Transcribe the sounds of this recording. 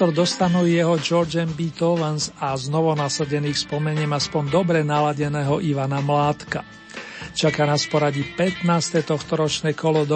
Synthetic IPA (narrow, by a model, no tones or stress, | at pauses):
ɔɾd̪ɔst̪anujɛɦɔd͡ʒɔɾd͡ʒɛmbit̪ɔʋɛnsaznɔʋɔnasaɟɛniːxspɔmɛɲɪɛmaspɔnd̪ɔbɾɛnalaɟɛnɛːɦɔʔiʋanamlaːt̪ka | t͡ʃakanaspɔɾaɟipɛt̪naːst̪ɛt̪ɔxt̪ɔɾɔt͡ʃnɛːkɔlɔd̪ɔ